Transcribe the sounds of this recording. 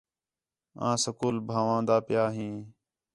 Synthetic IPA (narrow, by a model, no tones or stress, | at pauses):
ã̰ːsəkuːlbʱaːʋãːd̪aːpɪjaːɦĩː